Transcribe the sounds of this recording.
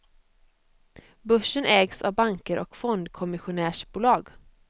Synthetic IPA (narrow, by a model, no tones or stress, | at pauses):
bɵʂːənʔɛːɡsa̰vbaŋkəɾʔɔ̰kfɔnd̪kʰɔmɪɧʊnæːʂbuːlɑːɡ